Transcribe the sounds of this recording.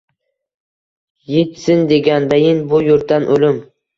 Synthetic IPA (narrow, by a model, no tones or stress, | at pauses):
jet̪sɪnd̪e̞ɡʲand̪ajɪnbʊjʊɾt̪ːanʔolɪm